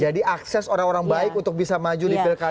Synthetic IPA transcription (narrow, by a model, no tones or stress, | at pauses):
d͡ʒadiaksɛsoɾaŋoɾaŋbaɪkunt̪ʊk̚bisamad͡ʒudibɪlka